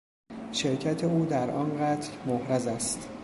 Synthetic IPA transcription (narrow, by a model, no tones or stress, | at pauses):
ʃeɾcʰæt̪ʰe̞uːd̪æɾʔɒnɢæt̪ʰlmohɾæzæst̪